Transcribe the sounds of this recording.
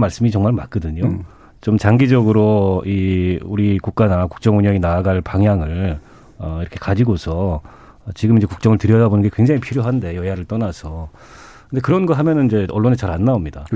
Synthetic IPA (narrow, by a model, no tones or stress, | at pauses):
maɭs͈ɯmit͡ɕʌŋmaɭmak͈̚ʌdɯɲo | t͡ɕomt͡ɕaŋɡid͡ʑʌɡɯɾoiuɾikuk̚k͈anaku̥k̚t͡ɕ͈ʌŋuɲʌŋinaːɡaɭpaŋɦjaŋɯɭ | ʌiɾʌkʰe̥kad͡ʑiɡosʰʌ | t͡ɕiɡɯmind͡ʑe̞kuk̚t͡ɕ͈ʌŋɯɭtɯɾjʌdabonɯnŋɡekwe̞ŋd͡ʑaŋipʰiɾjoɦande̞jʌjaɾɯɭt͈ʌnasʰʌ | kɯnde̞kɯɾʌnɡʌɦamjʌnɯnid͡ʑe̞ʌɭːonet͡ɕaɾanːaomɲida